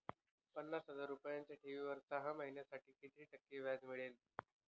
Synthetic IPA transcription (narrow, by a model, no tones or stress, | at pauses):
pənːasɦəzaɾupajaɲt͡ɕjaʈʰiʋiːʋəɾt̪aɦaməɦinjasaʈiːkit̪ɾiːʈəkːeʋjad͡zmiɭen